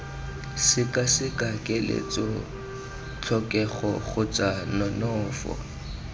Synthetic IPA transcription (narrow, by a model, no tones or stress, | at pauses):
sɪkʼasɪkʼakʼɪlḛt͡sʼo | t͡ɬʰɔkʼɛχɔχʊt͡sʼanɔnɔːfɔ̰